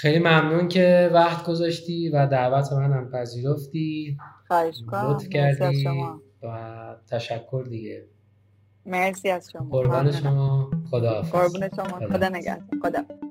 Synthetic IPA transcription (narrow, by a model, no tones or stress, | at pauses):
xejlimæmnuːncʰe̞væxt̪ɡo̞zɒʃt̪iːvæd̪ævæt̪ʰemænæmpʰæziːɾoft̪iːxɒeʃot̪fcʰæɾd̪i | væt̪ʰæʃækʰːoɾd̪iɟe | meɾsiæzʃoboɾd̪æːneʃomɒːxod̪ɒfoɾbuneʃomood̪ɒneɡæ̰hd̪oxod̪ɒf